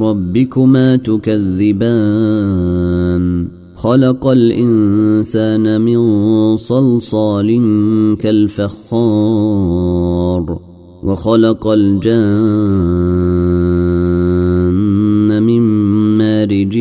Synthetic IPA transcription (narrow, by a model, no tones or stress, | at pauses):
ɾˤɑbːɪkʊmaːt̪ʊkaðːɪbaː | n | xɑlɑqɑlʔɪnsaːnamɪnsˤɑlsˤɑːlɪŋkalfaxːɑː | ɾˤ | wʔɑxɑlɑqɑld͡ʒaː | nːamɪmːaːɾɪd͡ʒ